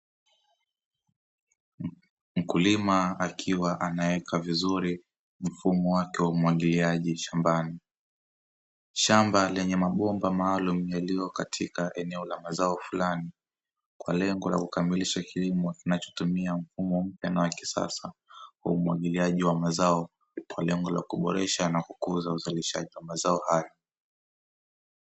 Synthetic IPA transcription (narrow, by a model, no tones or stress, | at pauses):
m̩kulimaakʰiwaʔanawɛkʰavizuɾi | m̩fumɔwakɛwaumwaɠiliaʄiʃambani | ʃambalɛɲɛmaɓɔmbamaːlumjalijɔkatʰikaʔɛnɛɔlamazaɔfulani | kwa̰lɛŋɡɔla̰kukamiliʃakilimɔkinat͡ʃɔ̥tumiam̩fumɔm̩pjanawaki̥sa̰sawa̰umuwaɠiliaʄiwamazaɔ | walɛŋɡɔla̰kuɓɔɾɛʃanakukuzauzaliʃa̰ʄiwamazaɔhajɔ